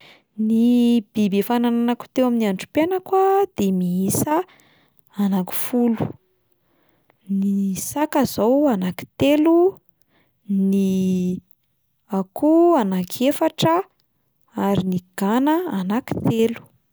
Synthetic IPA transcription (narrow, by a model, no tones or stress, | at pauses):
nib̥ibefanananaku̥t̪ewaminiaɳʈ͡ʂu̥penəkwad̪̥emiisəː | naki̥fulu̥ | nisakazowanaki̥t̪elu | ni | akuanakʰefaʈ͡ʂə | aɾiniɡ̥anəanaki̥t̪elu̥